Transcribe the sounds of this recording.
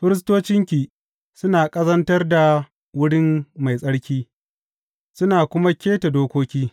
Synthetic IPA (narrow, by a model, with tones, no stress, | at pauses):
ɸɪ˦ɾɪ˦s̬toː˦t͡ʃɪ˦ŋkʲiː˨ | sʊ˦naː˨kʼɐ˦zɐ˦ntɐ˦rda˨ | wʊ˦ɽɪ˦mma˨jsʼɐ˦ɽkʲiː˦ | sʊ˦naː˨kʷʊ˦ma˦kʲeː˦ta˨doː˦kʷoː˦kʲiː˦